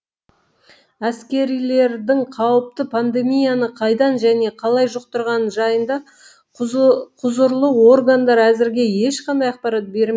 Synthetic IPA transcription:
æskʲe̞ɾijle̞ɾd̪ɪŋqʰɑwəp̚t̪əpʰand̪e̞mijanəqʰɑjd̪ɑnʒæne̞qʰɑlˠɑjʒʊq̚t̪əɾʁɑnʒɑjənd̪ɑ | qʰʊzəɾlˠəwo̞ɾɡand̪ɑɾæzɪɾɡʲe̞je̞ʃqɑnd̪ɑjɑq̚pɑɾɑt̪̚be̞ɾm

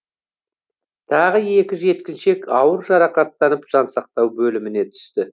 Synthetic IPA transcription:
t̪ʰɑʁəje̞kʲɪʒe̞t̪kʲɪnʃe̞kɑwəɾʒɑɾɑqɑt̪ːɑnəpʒ̥ɑnsɑq̚t̪ɑwbɵlɪmɪne̞t̪ʰʏ̥st̪ɪ

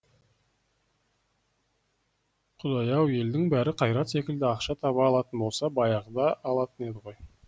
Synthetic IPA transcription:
qʰʊd̪ɑjɑwe̞ld̪ɪŋbæɾɪqʰɑjɾɑt̪se̞kʲɪld̪ɪɑqʃɑt̪ʰɑβɑːlˠɑt̪ənbo̞lˠsɑbɑjɑʁd̪ɑːlˠɑt̪əne̞d̪ɪʁo̞j

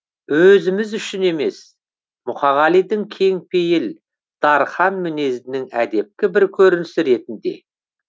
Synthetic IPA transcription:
wɵzɪmɪzʏʃɪne̞me̞s | mʊχɑʁɑlijd̪ɪŋkʲʰe̞ŋpʰejɪl | d̪̥ɑɾχɑnmɪne̞zɪnɪŋæd̪e̞p̚kʲɪbɪɾkʲʰɵɾɪnɪsɪɾe̞t̪ɪnd̪e̞̰

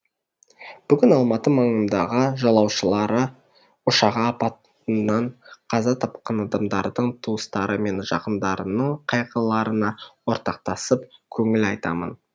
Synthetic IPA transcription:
b̥ʏɡʲɪnɑlˠmɑt̪əmɑɴənd̪ɑʁəʒɑlˠɑwʃəlˠɑɾə | ʊʃɑʁɑːpɑt̪ | ənɑɴqʰɑzɑt̪ʰɑp̚qɑnɑd̪ɑmd̪ɑɾd̪əɴt̪ʰuəst̪ɑɾəme̞nʒɑ̰qənd̪ɑɾənəɴqʰɑjqʰɑlˠɑɾənɑwo̞ɾt̪ɑq̚t̪ɑsəpkʲʰɵŋɪlɑjt̪ɑ̰mə̰n

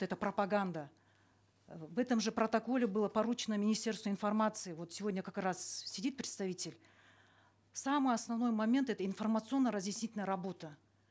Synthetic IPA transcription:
ɛt̪əpɾəpɐɡand̪ə | vɛt̪əmʐɨpɾət̪ɐko̞lʲɪbɨlˠəpɐɾut͡ɕɪnəmʲɪnʲɪsʲtʲe̞rst̪vəɪnfɐrmat̪sɨɪvo̞t̪sʲɪvo̞dʲnʲəkakrassʲɪdʲit̪̚pɾʲɪt̪st̪ɐvʲitʲɪlʲ | samɨjɐsnɐvno̞jmɐmʲent̪ɛt̪əɪnfərmət̪sɨo̞nːəɾəzjɪsʲnʲitʲɪlʲnəjəɾɐbo̞t̪ə

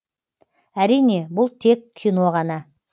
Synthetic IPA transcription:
æɾijne̞bʊlˠt̪ʰe̞kːʲʰino̞ʁɑnɑ

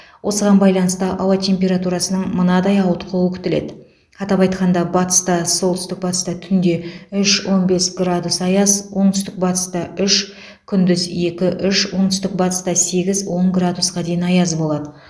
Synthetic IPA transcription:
wʔo̞səʁɑnbɑjlˠɑnəst̪əʔɑwɑt̪ʰe̞mpʲe̞ɾat̪uɾɑsənəɴmənɑd̪ɑjɑwət̪qʰoəkʲʰʏ̥t̪ɪle̞̰d̪ɪ | qʰɑt̪ɑpɑjt̪̚qʰɑnd̪ɑbɑt̪ə̥st̪ɑsolˠt̪ʏst̪ɪk̚bɑt̪əst̪ɑt̪ʰʏnd̪e̞ʏʃwo̞nbe̞sɡrad̪usɑjɑzwo̞ɴt̪ʏ̥st̪ɪk̚bɑt̪ə̥st̪ɑʏʃ | kʲʰʏnd̪ɪzje̞kʲɪʔʏʃwo̞ɴt̪ʏst̪ɪk̚bɑt̪ə̥st̪ɑse̞ɡʲɪzwo̞ɴɡrad̪usqɑd̪e̞jɪnɑjɑzbo̞lˠɑd̪ə

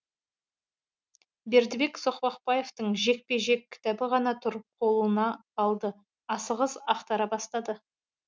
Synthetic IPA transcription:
be̞ɾd̪ɪbe̞kso̞qpɑqpɑje̞ft̪əɴʒe̞k̚pe̞ʒe̞kʲʰːɪ̥t̪æbɪʁɑnɑt̪ʰʊɾqʰo̞lˠuənɑɑlˠd̪ə | ɑsəʁəzɑqt̪ɑɾɑbɑst̪ɑd̪ə

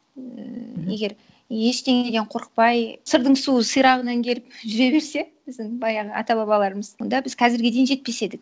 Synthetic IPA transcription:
je̞ɡʲe̞ɾ | e̞ʃt̪ʰeŋed̪eɴqʰo̞ɾəq̚pɑjsəɾd̪əɴsuəsɯjɾɑʁənɑŋkʲʰe̞lɪp̚ʒʏɾe̞be̞ɾse̞b̥ɪzd̪ɪŋbɑjɑʁəɑ̰t̪ɑbɑbɑlˠɑɾəməzwo̞nd̪ɑbɪzkʰɑzɪɾɡʲɪd̪e̞jnʒe̞t̪̚pe̞se̞d̪ɪk̚

